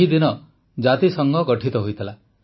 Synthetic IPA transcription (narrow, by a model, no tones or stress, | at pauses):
id̪inɔ | d͡ʒat̪isɔŋɡɔɡɔʈʰit̪ɔɦojt̪ʰila